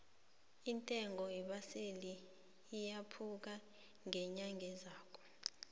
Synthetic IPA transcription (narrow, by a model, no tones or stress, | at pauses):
intʼɛŋɔiɓaseliː | japʰuk̬a | ŋɛɲaŋʱɛzaːkʰɔ̥